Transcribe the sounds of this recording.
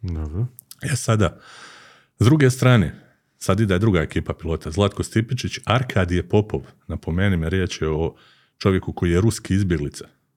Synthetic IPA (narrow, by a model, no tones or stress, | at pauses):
d̪obɾo | esad̪a | zd̪ɾuɡe̞st̪ɾaːne | sad̪id̪aed̪ɾuɡae̞kiːpapilˠo̞ːt̪azlˠat̪kost̪ipit͡ʃit͡ɕaɾkʰaːd̪ijepo̞po̞ʋ | napo̞meːnimeɾje̞ːt͡ɕjeo | t͡ʃo̞ʋje̞kuko̞jijeɾuskiizbʲje̞ɡlit̪sḁ